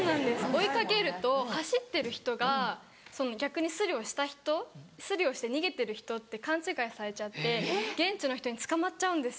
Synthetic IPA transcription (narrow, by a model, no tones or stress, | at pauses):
onãnd̪e̞sɨo̞ikake̞ɾɯ̟t̪o̞haɕit̪ːe̞ɾɯ̟çi̥t̪o̞ɡa | so̞no̞ɡʲakɯ̟ɲ̟isɨɾʲio̞ɕi̥t̪açi̥t̪o̞sɨɾʲio̞ɕi̥t̪e̞ɲ̟iɡe̞t̪e̞ɾɯ̟çi̥t̪o̞t̪ːe̞kãɲ̟t͡ɕɨːkaisaɾe̞t͡ɕat̪ːe̞ɡ̥ẽ̞ɲt͡ɕino̞çi̥t̪o̞ɲ̟it͡sɨ̥kamatt͡ɕaɯ̟̃nd̪e̞sɨ